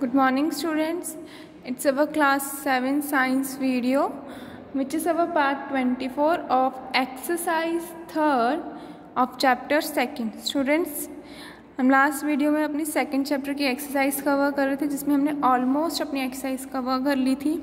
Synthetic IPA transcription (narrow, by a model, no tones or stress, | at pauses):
ɡ̥ʊɖmɔːɾnɪ̃ŋɡsʈuːɖə̃ɳʈs | ɪʈɪzɐʋəklaːsːɛʋə̃nsaːɪ̃nsʋiːɖio | ʋɪt͡ʃɪzɐʋəpaːɾʈːʋɛ̃ɳʈifoːɾɔːfeksəsaːɪzt̪ʰəɾɖ | ɔːft͡ʃɛːp̚ʈəɾsɛkə̃ɳɖsʈuːɖə̃ɳʈs | hɐmlaːsʈʋiːɖijomẽɐpnisɛkə̃ɳɖ̚t͡ʃɛːp̚ʈəɾkieːksəɾsaːɪzkɐʋəɾkɐɾːet̪ʰẽd͡ʒɪsmẽɦɐmneʔɔːlmoːsʈɐpnieksəsaːɪzkɐʋəɾkɐɾliːt̪ʰiː